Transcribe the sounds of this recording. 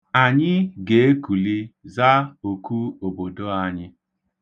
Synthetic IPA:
a˨ɲɪ˦ɡe˨e˦ku˨li˦za˦o˨ku˦o˨bo˨do˦a˨ɲɪ˦

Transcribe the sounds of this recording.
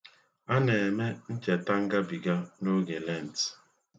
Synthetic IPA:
a˦ne˨e˨me˦n̩˦t͡ʃe˨ta˦ŋ̩˦ɡa˦bi˨ɡa˦no˦ɡe˨le˦˨n˨t

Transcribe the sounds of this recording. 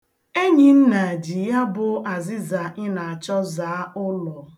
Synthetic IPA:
e˦ɲi˨n̩˦na˨a˨d͡ʒi˨ja˦bʊ˨ʔa˨zɪ˦za˨ɪ˦na˨a˨t͡ʃɔ˦zaː˨a˦ʊ˦lɔ˨

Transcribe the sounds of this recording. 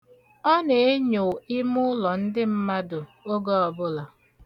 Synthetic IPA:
ɔ˦ne˨e˦ɲo˨i˦mʊ˦lɔ˨n̩˦dɪ˦m̩˦ma˦dʊ˨o˦ɡɔ˦ɔ˨bʊ˦la˨

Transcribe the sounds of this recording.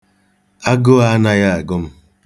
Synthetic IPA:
a˦ɡʊ˦a˦a˦na˦ja˦a˨ɡʊ˦m̩˦

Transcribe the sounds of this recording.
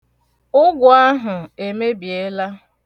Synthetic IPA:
ʊ˦ɡʊ˨a˦ɦʊ˨e˨me˦bi˨e˦la˦

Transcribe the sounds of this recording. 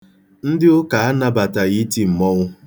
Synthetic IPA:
n̩˦dɪ˦ʊ˦ka˨a˦na˦ba˨ta˨ɣi˦ti˨m̩˨mɔ˦ɣʷʊ˦

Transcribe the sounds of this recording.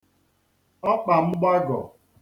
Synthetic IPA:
ɔ˦k͡pa˨m̩˦ɡ͡ba˦ɡɔ̰˨

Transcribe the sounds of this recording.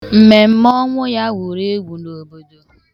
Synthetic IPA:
m̩˨me˨m̩˦mɔ˦ŋʷʊ˦ja˦wu˨ɾe˦ɡʷu˨no˨bo˨do˨

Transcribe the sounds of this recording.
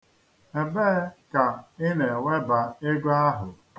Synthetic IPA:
e˨be˦ka˨ɪ˦ne˨we˦ba˨e˦ɡʷa˦ɦʊ˨

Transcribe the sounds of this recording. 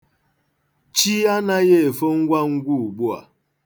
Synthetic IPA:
t͡ʃi˦a˦na˦je˦e˨fo˦ŋ̩˦ɡʷa˦ŋ̩˦ɡʷu˦˨ɡ͡bu˦a̰˨

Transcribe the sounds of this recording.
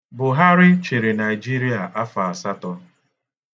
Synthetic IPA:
bʊ˨ɦa˦ɾɪ˦t͡ʃe˨ɾe˨na˨i˨d͡ʒi˦ɾi˦a˨ʔa˦fa˨a˨sa˦tɔ˦

